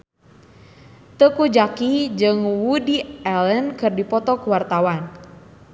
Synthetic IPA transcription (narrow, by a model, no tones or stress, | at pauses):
t̪əkud͡ʒakid͡ʒɨŋwudiɛlənkɨrdipɔt̪ɔkwart̪awan